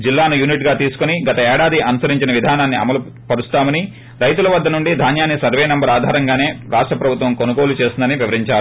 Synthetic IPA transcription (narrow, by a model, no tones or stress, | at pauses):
d͡ʒilːaːnujuniʈɡaːt̪iːsu̥koniɡɐt̪ɐɛːɽaːd̪iʔɐnusɐɾiɲt͡ʃinɐʋid̪ʱaːnaːnːiɐ̰mɐlu | pɐɾust̪aːmɐni | ɾɐjt̪ulɐʋɐd̪ːɐnuɳɖid̪ʱaːnjaːnːisɐɾʋeːnɛmbɐɾaːd̪ʱaːɾɐŋɡaːne̞ːɾaːʂʈɾɐpɾɐbʱut̪ʋɐmkonuɡo̞ːlut͡ʃe̞ːsind̪ɐniʋiʋɐɾiɲt͡ʃaːɾu